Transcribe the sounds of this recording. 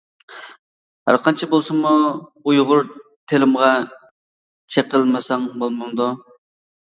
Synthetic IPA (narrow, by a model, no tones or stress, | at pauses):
hæ̰ɾqʰɑnt͡ʃʰibolˠsɨmuujʁʊɾt̪ʰelɪmʁɑ | t͡ʃʰeqəlˠmɪsɑŋbolˠmɑŋd̪u